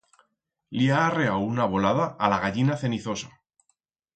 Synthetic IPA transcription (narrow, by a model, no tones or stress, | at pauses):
liaːre̞awunaβ̞o̞laðaʔːlaɣaʎinaθe̞niθo̞sa